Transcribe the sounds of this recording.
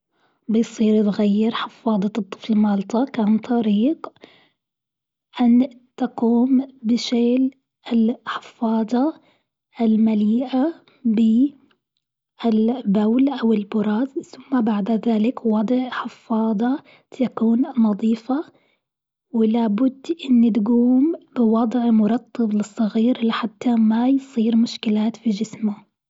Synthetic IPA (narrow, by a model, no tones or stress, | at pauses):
bɪjsˤiːɾt̪ɣajːɪɾħɪfːɑːd̪ˤɑt̪ˤːɨ̥flmɑːlt̪ˤɑkʕant̪ˤɑɾiːq | ʔant̪aquːmbɪʃeːl | ɪlħɪ̥fːɑːd̪ˤɑ | ʔɪlmaliːʔa | bɪ | ʔɪlbawlʔawɪlbʊɾˤɑːzθʊmːabaʕd̪aðaːlɪkwɑd̪ˤʕħɪfːɑːðˤɑ | t̪akuːnnɑðˤiːfa | wɪlaːbʊd̪ːʔɪnːit̪ɡuːmbɪwɑd̪ˤʕmʊɾˤɑt̪ˤʰːɑblɨsˤːɑɣiːɾlɪħat̪ːamajsˤiːɾmʊʃkɪlaːt̪fid͡ʒɪsmʊ